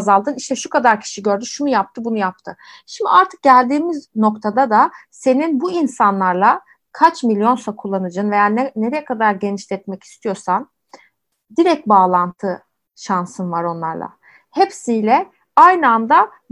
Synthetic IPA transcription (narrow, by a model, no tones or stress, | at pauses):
zalˠd̪ɯniʃt̪ʰɛʃukʰad̪aɾcʰi̥ʃiɟø̞ɾd̪yʃunujap̚t̪ʰɯbunujap̚t̪ʰɯ | ʃimd̪ḭʔaɾt̪ʰɯ̥k̚ɟælʲd̪iːmizno̞kt̪ʰad̪ad̪ase̞ninbuinsanlˠaɾlˠa | kʰat͡ʃmilʲjo̞nsakʰulˠːanɯd͡ʒɯːnve̞jaɾnɛne̞ɾɛjɛkʰad̪aɾɟe̞niʃlʲɛt̪mɛci̥st̪ʰijo̞ɾsan | d̪iɾɛc̚t̪̚baːlˠant̪ʰɯ | ʃansɯnvaɾo̞nlˠa̰ɾlˠa̰ | hepsijlʲɛ | ajnɯand̪a